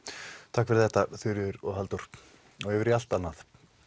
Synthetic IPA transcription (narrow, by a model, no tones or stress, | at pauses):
t̪ʰakfɪɾ̥θɛht̪aθʏɾjʏðʏɾɔɣɦalt̪uɾ̥ | ɔɣɛvɪɾial̥t̪anːaθ